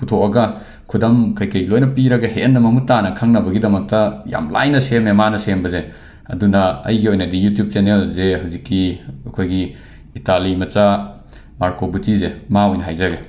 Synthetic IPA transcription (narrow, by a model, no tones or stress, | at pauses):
putʰoɐɡɐ | kʰudɐmkɐjkɐjlojnɐpiɾɐɡɐhenːɐmɐmutːanɐkʰɐŋnɐbɐɡidɐmɐk̚tɐja̰mla̰jnɐsememanɐsenbɐze | ɐ̰dunɐɐ̰jɡiojnɐdijutjup̚t͡ʃenelzehawzikːiɐkʰojɡiː | talimɐt͡ʃa | maɾkobutizemaojnɦajzɐɡe